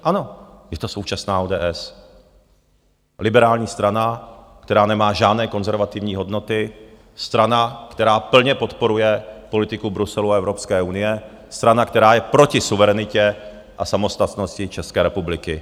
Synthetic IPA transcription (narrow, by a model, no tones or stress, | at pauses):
ʔano̞jɛt̪o̞so̞wt͡ʃasnaːoːdɛ̰ːʔɛs | lɪbɛɾaːlɲiːst̪ɾanakt̪ɛɾaːnɛmaːʒaːdnɛːko̞nzɛɾvat̪ɪvɲiːɦo̞dno̞t̪ɪ | st̪ɾanakt̪ɛɾaːpl̩ɲɛpo̞t̪po̞ɾujɛpo̞lɪt̪ɪkubɾusɛluaɛvɾo̞pskɛːʔunɪjɛ | st̪ɾanakt̪ɛɾaːjɛpɾo̞cɪsuvɛɾɛnɪcɛ | ʔasamo̞st̪at̪no̞scɪt͡ʃɛskɛːɾɛpublɪkɪ